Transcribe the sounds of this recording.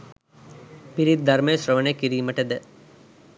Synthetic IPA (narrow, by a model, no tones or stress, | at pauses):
piɾid̪̚d̪ʱɐɾmejʃrəʋənekiɾiːməʈəd̪ə